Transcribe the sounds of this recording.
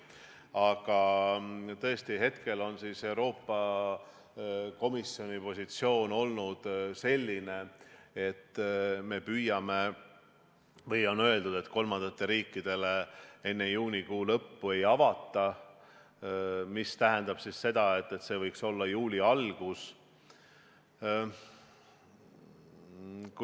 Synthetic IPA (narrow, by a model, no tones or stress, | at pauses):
ɑɡ̥ɑ | t̪ɤe̞st̪iɦe̞t̪ke̞lo̞nsise̞uwɾo̞ːpːˑɑ | ko̞misːjo̞nʲipo̞sʲit̪sio̞ːno̞lnud̪̥se̞lʲːine̞et̪ːme̞pyjɑme̞ | vɤjo̞nø̞e̞ld̪ud̪̥e̞t̪ko̞lmɑnd̪̥ɑt̪ːˑe̞ɾiːkːˑid̪̥e̞lee̞nːejuːnʲikuːlɤpːue̞jɑvɑt̪ːˑɑ | mist̪æɦend̪̥ɑb̥sisse̞d̪̥ɑe̞t̪ːˑe̞t̪se̞vɤjkso̞lːɑjuːlʲiɑlɡ̥us | k